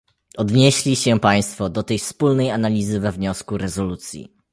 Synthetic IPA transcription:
ɔd̪ɲeɕlʲiɕɛpaj̃st̪fɔd̪ɔt̪ɛjfspulnɛjanalʲizɘvɛvɲɔskuɾɛzɔlut̪sʲjḭ

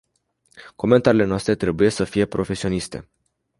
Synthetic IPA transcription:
ko̞me̞nt̪aɾile̞noast̪ɾe̞t̪ɾe̞buje̞səfije̞pɾo̞fe̞sio̞nist̪e̞̰

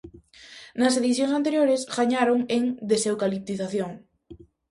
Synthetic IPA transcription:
nɐs̬eðiθjõŋsant̪eɾjoɾesɣaɲaɾoŋeŋd̪esewkalip̚t̪iθaθjoŋ

